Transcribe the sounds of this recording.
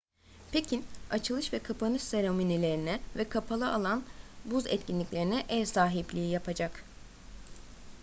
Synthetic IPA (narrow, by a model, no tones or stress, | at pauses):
pʰecʰinat͡ʃʰɯlˠɯʃvɛkʰapʰanɯʃseɾominilʲe̞ɾinɛvɛkʰapʰalˠɯʔalˠanbuzɛ̰t̪cʰinlʲicʲlʲeɾinɛʔɛɾsaːɦiplʲijijapʰad͡ʒak